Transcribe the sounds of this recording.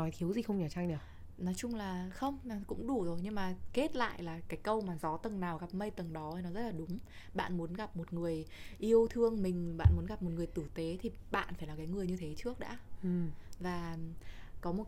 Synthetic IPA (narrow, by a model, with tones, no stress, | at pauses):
ɔ˨˦jt̪ʰi˨˦əwzi˨˩xə˧wŋ͡mɲəː˧˩t͡ɕa˧ŋɗɨ˨˧˩w | nɔ˨˦jt͡ɕʊ˧ŋ͡mlaː˨˩xə˧wŋ͡mkʊ̰˧˥ŋ͡mɗu˧˩zo˨˩jɲɨ˧ŋmaː˨˩ke˦˥t̚la̰ː˧˨jlaː˨˩kaː˨˦jkə˧wmaː˨˩zɔ˨˦t̪ə˨˩ŋnaː˨˩wɣa˨˩p̚mə˧jt̪ə˨˩ŋɗɔ˨˦ə˨˩nɔ˨˦zə˦˥t̚laː˨˩ɗʊ˨˦ŋ͡mɓa̰ː˧˨nmu˨˦nɣa˨˩p̚mo˨˩t̚ŋɨ˨˩əjʔi˧əwt̪ʰɨ˧əŋmï˨˩ŋ̟ɓa̰ː˧˨nmu˨˦ənɣa˨˩p̚mo˨˩t̚ŋɨ˨˩əjt̪ɨ˧˩t̪e˨˦t̪ʰi˨˩ɓa̰ː˧˨nfaː˧˩laː˨˩kaː˨˦jŋɨ˨˩əjɲɨ˧t̪ʰe˨˦t͡ɕɨ˦˥ək̚ɗa̰ː˧˥˨ | vaː˨˩ | kɔ˨˦mo˨˩